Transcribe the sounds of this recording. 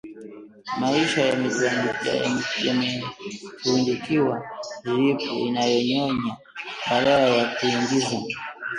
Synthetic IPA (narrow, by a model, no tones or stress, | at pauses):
maiʃajamizaja̰ja̰mjamɛ | undikiwazipuinajɔɲɔɲa | ɓaɗalajakuiŋɡiza